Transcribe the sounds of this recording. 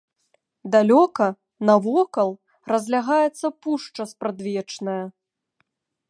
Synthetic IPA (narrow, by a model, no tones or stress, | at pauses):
d̪alʲɔkɐ | nɐvɔkɐlˠ | rɐzʲlʲaɣajɛt̪sːɐpuʂt͡ʂɐspɾad̪vʲɛt͡ʂnɐjɐ